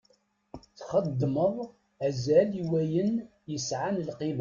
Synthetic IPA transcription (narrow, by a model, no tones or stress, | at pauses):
θχəd̪ːməðˤ | æzæliwæjən | jəsʕanlqim